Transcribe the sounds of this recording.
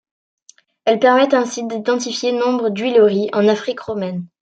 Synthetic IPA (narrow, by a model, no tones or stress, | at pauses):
ɛlpɛʁmɛt̪ɛ̃sid̪id̪ɑ̃t̪̬ifjenɔ̃bʁəd̪ɥiloʁiʔɑ̃nafχikʁɔmɛn